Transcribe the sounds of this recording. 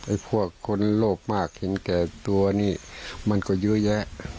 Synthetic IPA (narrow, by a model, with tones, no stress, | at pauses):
ʔa˨˧˩jpʰu˧˥˩əkʰːo˧˥nloː˧˩p̚maː˧˩k̚he˨˦nkɛː˨˩t̪u˧ɐniː˧˩ma˧˥˨nkɔː˧˩jɯ˧˥jɛ˧˥ʔ